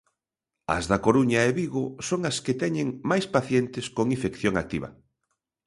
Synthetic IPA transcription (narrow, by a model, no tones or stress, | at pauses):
ɐ̰zðakoɾuɲaeβiɣosoŋasket̪ɛɲeŋmajspaθjent̪ɪskoŋĩfekθjoŋa̰k̚t̪iβɐ̰